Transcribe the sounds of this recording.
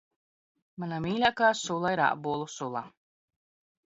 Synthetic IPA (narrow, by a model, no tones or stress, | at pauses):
manamiːlʲakaːsulˠaiɾa̰ʔbuɔlˠusulˠa